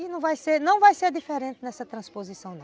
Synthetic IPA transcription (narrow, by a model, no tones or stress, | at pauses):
inɐ̃w̃vajseɾnɐ̃w̃vajseɾd̪ifeɾẽnt̪ɪnɛsɐt̪ɾɐ̃spozisɐ̃w̃nɐ̃